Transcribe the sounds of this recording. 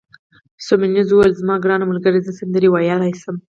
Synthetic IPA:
sominizuwalzmɑɡɾɑnamʊlɡəɾezəsand̪əɾiwajɑlɑjsəm

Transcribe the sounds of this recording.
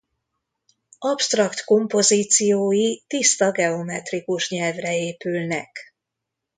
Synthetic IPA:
ɒpst̪rɒkt̪ko̞mpo̞ziːt̪sijoːjit̪ist̪ɒɡɛo̞mɛt̪rikuʃɲɛlvrɛeːpylnɛk

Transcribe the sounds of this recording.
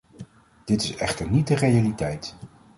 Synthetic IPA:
d̥ɪtɪsɛχtəɹnit̚dərejalitɛjt

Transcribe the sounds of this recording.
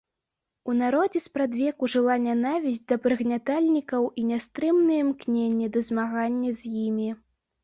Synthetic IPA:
unaɾɔd͡zʲɛspɾad̪vʲɛkuʐɨlˠanʲanavʲizʲd͡zʲd̪ɐpɾɨɣnʲat̪alʲnʲikɐwʔinʲast̪ɾɨmnɨjɛmknʲenʲːɛd̪ɐzmaɣanʲːɐzʲjimʲi

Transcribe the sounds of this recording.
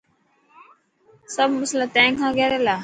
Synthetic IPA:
səbməslat̪ɛ̃ːŋkʰãːɡɛːɾeːlaː

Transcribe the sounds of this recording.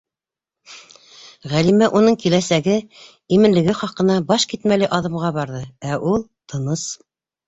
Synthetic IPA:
ʁælimæʔunɤɴkilæsæɡɘ | imɘ̆nlɘ̆ɡɘχɑqɤ̆nɑbɑʃkit̪mælɘʔɑðɤ̆mʁɑbɑɾðɤæʔulˠt̪ʰɤ̆nɤs

